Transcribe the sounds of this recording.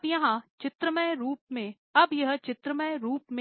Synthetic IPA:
bjɐɦãt͡ʃɪt̪ɾəməjɾuːp̚mẽ | ɐbjɐɦt͡ʃɪt̪ɾəməjɾuːpmẽ

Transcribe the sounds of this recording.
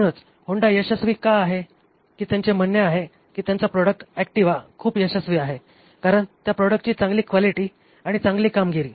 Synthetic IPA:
məɽ̃ət͡s | hoɳɖajəɕəsʋiːkaːɦe | kiːt̪jaɲt͡ɕem̤ənjəaɦe | kiːt̪jant͡sapɾɔɽək̚ʈɛk̚ʈiʋakʰuːpjəɕəsʋiːaɦe | kaɾəɳt̪japɾɔɽək̚ʈ̚t͡ɕiːt͡sãŋɡliːkʋaliʈiː | aɽ̃it͡sãŋɡliːkamɡʱeɾiː

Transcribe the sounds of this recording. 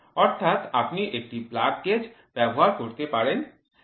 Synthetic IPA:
ɔɾt̪ʰat̪apniʔek̚ʈiblakked͡ʑ | b̥ɛboɦaɾkoɾt̪epaɾen

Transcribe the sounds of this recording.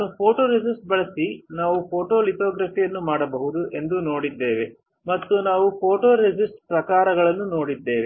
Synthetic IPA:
upʰoːʈoːɾed͡ʒisʈ̚bɐɭɐsinaːʋupʰo̞ːʈoːlit̪aːɡɾɐpijɐnːumaːɽɐbɐɦud̪uʔe̞nd̪uno̞ːɽid̪ːe̞ːʋe | mɐt̪ːunaːʋupʰoːʈoːɾed͡ʒisʈ̚pɾɐkaːɾɐɡɐɭɐnːuno̞ːɽid̪ːe̞ːʋe

